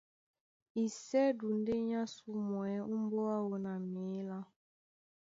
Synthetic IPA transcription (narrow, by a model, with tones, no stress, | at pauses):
i˨sɛ˦du˨n̩˦de˦ɲa˦su˦mɔ˨ɛ˦u˦m̩˦bɔ˦a˦wo˨na˨mi˨˦la˦